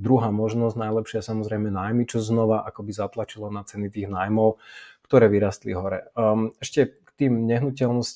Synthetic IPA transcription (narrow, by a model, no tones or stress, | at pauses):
d̪ɾuɦaːmɔʒnɔznajlɛpʃɪasamɔzɾɛjmɛnaːjmit͡ʃɔznɔʋaʔakɔbizat̪lat͡ʃilɔnat͡sɛnit̪iːɣnaːjmɔʊkt̪ɔɾɛːʋiɾast̪lḭɦɔɾɛ̰mɛʃcɛkt̪iːmɲɛɦnucɛlnɔsc